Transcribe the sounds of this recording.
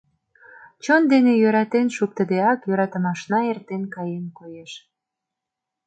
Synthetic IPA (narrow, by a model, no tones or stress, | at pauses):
t͡ɕond̪enejøɾɑt̪enʃuk̚t̪əd̪eɑkjøɾɑt̪ə̆mɑʃnɑert̪enkɑjemkojeʃ